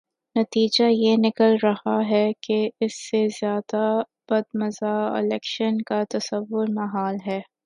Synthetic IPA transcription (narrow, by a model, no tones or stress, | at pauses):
nɐt̪iːd͡ʒajenɪkəlɾɐhaɦɛkeɪsːezjaːd̪a | b̥ɐd̪mɐzaːɪ̰lɛːkʃənkat̪ɐsɐʋːʊɾmɐɦaːlɦɛː